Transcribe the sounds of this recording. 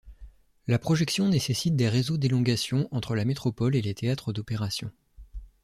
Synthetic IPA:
lapχɔʒɛksjɔ̃nesesit̪̚d̪eʁezod̪elɔ̃ɡasjɔ̃ʔɑ̃t̪χəlamet̪χɔpɔlelet̪ʰeat̪χəd̪ɔpeʁasjɔ̃

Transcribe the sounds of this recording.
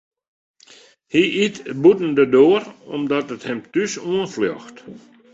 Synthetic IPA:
hiʔitbutn̩dədoːərɔmdɔtəthɛmtysuənfljɔ̰xt

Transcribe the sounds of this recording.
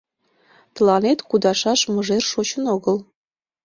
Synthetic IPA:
t̪əlɑnet̪kud̪ɑʃɑʃmɤ̆ʒerʃot͡ɕənoɣə̆l

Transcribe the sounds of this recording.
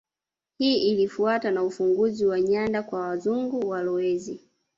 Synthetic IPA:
hiːʔilifuatanaufuŋɡuziwaɲandakwawazuŋɡuwalɔwɛzi

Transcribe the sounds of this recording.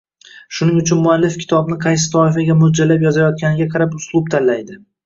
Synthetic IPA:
ʃʊnɪŋʊt͡ʃʰʊnmʊalːɪfkʲɪ̥t̪ʰɒbnɪqʰɑjsɪ̥t̪ʰɒɪfaɡʲamʊd͡ʒalapjɒzajɒt̪̚kʲanɪɡʲaqʰɑɾapʊslˠʊb̚t̪ʰanlajd̪ɪ

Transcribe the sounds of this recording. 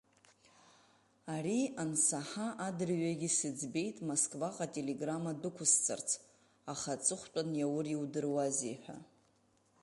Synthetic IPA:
aɾiansaħaʔadɨrɥaɡʲisɨd͡zbe̞jtʼmoskʼvaqʼatʼe̞le̞ɡramadɨkʷʰʊst͡sʰʼa̰rt͡sʰ | aχat͡sʼɨχʷt͡ʃʷʼanjawʊriwdɨrwazeħʷᶣa̰

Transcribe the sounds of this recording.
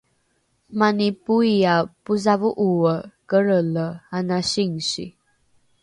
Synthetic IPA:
manipuiapuzavuʔuəkəɾələanaɕiŋɕḭ

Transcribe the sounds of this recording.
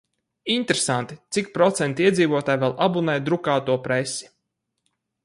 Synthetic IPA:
int̪ɾesant̪it̪sik̚pɾɔt̪sɛnt̪iɛd̪ziːvɔt̪aːjvɛlˠʔabunɛjd̪ɾukaːt̪uɔpɾesi̥

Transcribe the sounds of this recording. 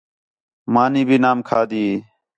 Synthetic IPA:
maːniːbʱiːnaːmkʰaːd̪iː

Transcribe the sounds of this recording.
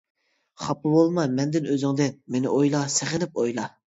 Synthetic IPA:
χɑpːɨbolˠmɑmɛnd̪ɪnøzɪŋd̪ɪmenɪʔojlˠɑseχɪnɪp̚ojlˠɑ

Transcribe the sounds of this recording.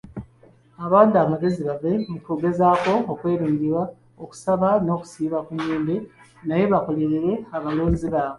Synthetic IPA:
aβaːndamaɡe̞ziβavemutoːɡe̞zaːko̞ːkwe̞ːɾiːɲɟiɾwa | oku̥saβano̞ːku̥siːβakuɲeːmbe | naje̞βakoleɾeɾe̞aβaloːnziβaːβe

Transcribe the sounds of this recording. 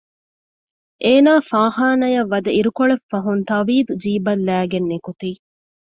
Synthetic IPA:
ʔeːnaːfaːhaːnɐjɐʋːɐd̪ɐiɾukoɭefːɐɦunt̪ɐʋiːd̪ud͡ʒiːbɐlːæːɡenːekut̪iː

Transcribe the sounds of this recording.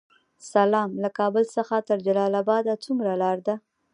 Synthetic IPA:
salɑmlakɑbəlsəxat̪əɾd͡ʒalɑlabɑd̪at͡sumɾalɑɾd̪a

